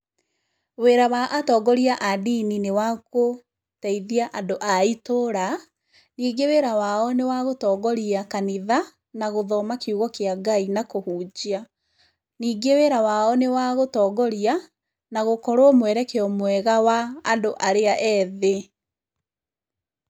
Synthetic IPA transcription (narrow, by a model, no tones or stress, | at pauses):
weɾawaʔatɔːɡɔɾiaʔadininewako | tɛiðiaʔandoʔaitoɾa | niːɡeweɾawaɔnewaɣotɔːɡɔɾiakaniða | naɣoðɔmakiuɣɔkeaɡainakohuːd͡ʒia | niːɡeweːɾawaɔnewaɣotɔːɡɔɾia | naɣokɔɾoɔmwɛɾɛkeɔmwɛɣawaːndoʔaɾeaʔɛðe